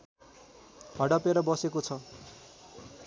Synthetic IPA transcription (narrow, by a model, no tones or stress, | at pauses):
hʌɽʌpeɾʌbʌsekot͡sʰʌ